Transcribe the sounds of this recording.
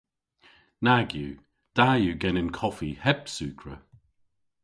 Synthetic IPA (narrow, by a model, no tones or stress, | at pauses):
naɡjṵː | d̪̥ajuɡɛnənkʰɔfihɛbsʉːkʰɹə̰